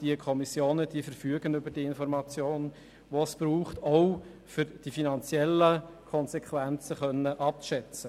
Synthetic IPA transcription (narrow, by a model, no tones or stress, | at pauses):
d̥iəkʰɔmisjoːnəd̥iəfəɾfyəɡənʏbəd̥iəɪnfɔɾmɑt͡sjoːn | ʋosb̥ɾuːχtɔʊ | fʏɾd̥ifinɑnt͡sjɛlːəkʰɔnsɛkʰʋænt͡səχœnːəʔɑp̚ʃɛt͡sə